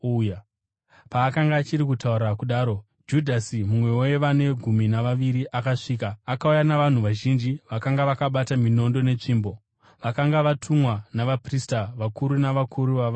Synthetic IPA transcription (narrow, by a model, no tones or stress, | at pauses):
paːkaŋɡaːt͡ʃiɾikutauɾakuɗaːɾo̞ | d͡ʒudʱasimumwe̞wojeʋane̞ɡʱuminaʋaʋiɾiʔakaʂiːkaːkaujanaʋan̤uʋaʒind͡ʒiʋakaŋɡaʋakaɓatamino̞ndo̞ne̞t͡ʂiːmbo̞ | ʋakaŋɡaʋatʰumwanaʋapristaʋakuɾunaʋakʰuɾuʋaʋa